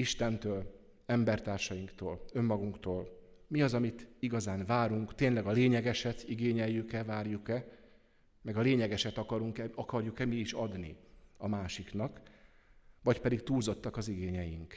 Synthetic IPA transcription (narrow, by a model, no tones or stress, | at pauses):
iʃt̪ɛnt̪øːl | ɛmbɛrt̪aːrʃɒjiŋkt̪oːlø̞mːɒɡuŋkt̪oːl | miɒzɒmit̪iɡɒzaːɱvaːɾuŋkt̪eːnlɛɡɒleːɲɛɡɛʃɛt̪iɡeːɲɛjːykɛvaːrjukɛ | mɛɡɒleːɲɛɡɛʃɛt̪ɒkɒɾuŋkɛɒkɒrjukɛmiːʃɒd̪nḭɒmaːʃiknɒk | vɒcpɛd̪ikt̪uːlzo̞t̪ːɒkɒziɡeːɲɛjiŋk